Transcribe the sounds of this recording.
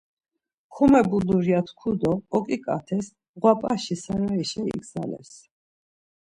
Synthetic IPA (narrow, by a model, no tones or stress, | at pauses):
χʰumɛbuluɾjat̪ʰkʰud̪ɔːkʼikʼa̰t̪ʰɛs | ʁwapʼaʃisaɾaiʃɛḭɡza̰lɛ̰s